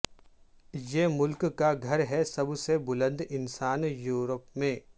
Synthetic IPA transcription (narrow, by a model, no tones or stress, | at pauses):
jeːmʊlkkaɡʱɐɾɦɛsɐbsebʊlə̃nd̪ɪnsaːnjuːɾəpmẽː